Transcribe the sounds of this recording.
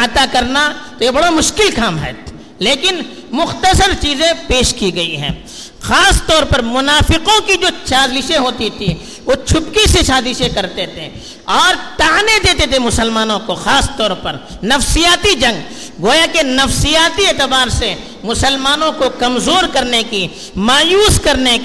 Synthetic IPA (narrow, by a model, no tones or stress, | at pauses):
ɐt̪akɐɾnat̪ojebɐɽamʊʃkɪlkaːmɦɛ̰ː | leːkɪn | mʊxt̪əsəɾt͡ʃiːzẽpeːʃkiɡɐiɦɛ̰̃ː | xaːst̪ɔːɾpɐɾmʊnaːfɪqõkid͡ʒoːʃaːzlɪʃẽɦoːt̪it̪ʰi | ʋoːt͡ʃʰʊpkisesaːzɪʃẽkɐɾt̪et̪ʰḛ | ɔːɾt̪aːɦned̪eːt̪et̪ʰemʊsəlmaːnõkoxaːst̪ɔːɾpɐɾ | nɐfsijaːt̪id͡ʒɐ̃ŋɡ | ɡoːjakenɐfsijaːt̪ieːt̪ɪbaːɾse | mʊsəlmaːnõkokɐmzoːɾkɐɾneki | maːjuːskɐɾne